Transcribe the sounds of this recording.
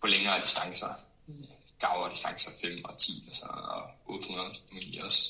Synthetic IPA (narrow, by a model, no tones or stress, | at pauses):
pʰɒ̽leŋɐːd̥isd̥ɑ̈ŋsɐ | ɡ̥ɑ̈ʊɐd̥isd̥ɑ̈ŋsɐfem̰ɒ̽t͡sʰḭːɒsɒɒʔɔːd̥hunɐðˠfæmil̰jɐɒ̽s